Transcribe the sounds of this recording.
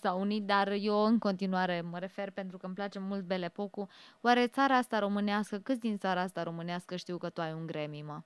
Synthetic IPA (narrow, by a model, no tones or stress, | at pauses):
saunit̪̚d̪arjewɨŋko̞nt̪inuaɾe̞məɾe̞fe̞rpe̞nt̪ɾukəmplat͡ʃe̞mult̪̚be̞le̞po̞kuwaɾe̞t̪saɾaast̪aɾo̞mɨneaskəkɨt̪sʲd̪int̪saɾaast̪aɾo̞mɨneaskəʃt̪iwkət̪uajuŋɡɾe̞mima